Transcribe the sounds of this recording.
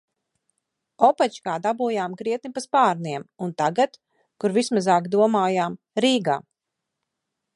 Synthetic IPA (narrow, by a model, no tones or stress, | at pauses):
ɔpat͡ʃkaːd̪abuːjaːmkɾiɛt̪̚nipaspaːɾniɛmunt̪aɡat̪ | kuɾvismazaːkd̪uɔmaːjaːm | ɾiːɡa̰ː